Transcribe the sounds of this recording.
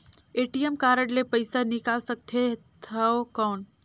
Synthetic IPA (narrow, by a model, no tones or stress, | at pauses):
eʈijemkaɾəɽlepəɪsanikalsək̚t̪ʰet̪ʰəkəwn